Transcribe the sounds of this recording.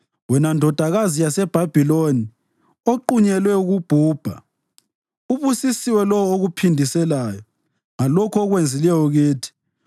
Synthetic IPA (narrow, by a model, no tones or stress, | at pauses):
wɛnandʱɔd̥ʱaɣazijasɛb̥ʱab̥ʱiloni | oǃuɲɛlwɛuɣub̥ʱuːb̥ʱa̰ | uβusisiwɛlɔwoɣupʰindʱisɛlaːjɔ | ŋalɔkʰɔɣwend͡zʱilɛjɔɣiːtʰi̥